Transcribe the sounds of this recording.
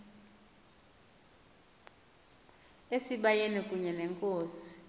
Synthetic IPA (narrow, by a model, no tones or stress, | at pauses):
esiɓajenɛkʼuɲɛnɛŋkʼoːsi̥